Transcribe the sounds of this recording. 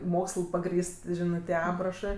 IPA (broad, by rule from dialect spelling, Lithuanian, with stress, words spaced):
ˈmoːkslˠ pɐˈɡrʲiːst ˈʒʲɪnɜ tʲiɛ ˈɑːprɐʃɜ